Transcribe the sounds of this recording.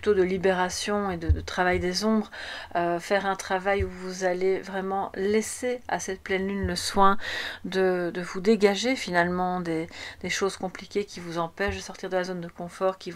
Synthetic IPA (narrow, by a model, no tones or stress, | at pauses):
yt̪od̪əlibeʁasjɔ̃ed̪əd̪ət̪χavajd̪ezɔ̃bʁøfɛʁɛ̃t̪χavajuvuzalevʁɛmɑ̃lɛsea̰sɛt̪̚plɛnlynləswɛ̃d̪əd̪əvud̪eɡaʒefinalmɑ̃d̪ed̪̥eʃozkɔ̃plikʲekʲivuzɑ̃pɛʃd̪əsɔʁt̪iʁd̪əlazond̪əkɔ̃fɔʁkʲi